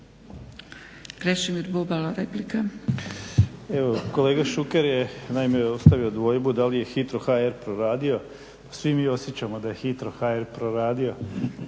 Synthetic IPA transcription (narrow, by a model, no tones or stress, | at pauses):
kɾeʃimiɾbobalaɾeplika | eʋoko̞le̞ːɡaʃukeɾjenaimeost̪aʋio̞d̪ʋo̞ːjbud̪alije̞xit̪ɾoxaeɾpɾoɾaːd̪io̞ | pḁsʋimiːo̞sjet͡ɕamo̞d̪aje̞xit̪ɾo̞xaeɾpɾoɾaːd̪io̞